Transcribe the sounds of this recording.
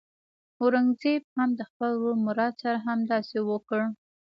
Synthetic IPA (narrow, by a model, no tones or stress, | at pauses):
oɾaŋzeb̚hamd̪əxpəlwomʊɾɑd̪saɾaɦamd̪ɑsewəkəɽ